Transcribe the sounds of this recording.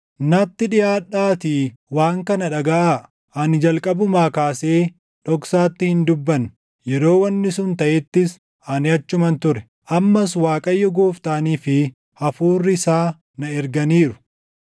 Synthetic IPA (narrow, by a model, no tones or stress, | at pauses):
nɐt̪ːɪᶑɪjaːᶑaːt̪iwaːŋkɐnɐᶑɐɡɐʔa | ʔɐnɪd͡ʒɐlkʼɐbʊmaːkaːse̞ː | ᶑɔksaːt̪ːɪhɪnd̪ʊbːɐn | jɛɾo̞ːwɐnːɪsʊnt̪ɐʔɛt̪ːɪs | ʔɐnɪɐt͡ʃːʊmɐnt̪ʊɾɛ | ʔɐmːɐswaːkʼɐjːɔɡoːft̪aːniːfɪ | ʔɐfuːrːɪsaː | nɐɛɾɡɐniːɾʊ